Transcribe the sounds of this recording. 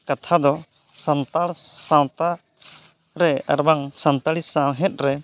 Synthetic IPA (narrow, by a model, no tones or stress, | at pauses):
kat̪ʰad̪ɔ | sant̪aɾsawt̪a | ɾɛa̰ɾbaŋsant̪alisaɦɛt̪̚ɾɛ